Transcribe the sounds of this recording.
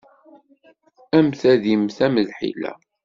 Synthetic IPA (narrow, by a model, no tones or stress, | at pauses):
æmθæðimθæməðħḭlæ̰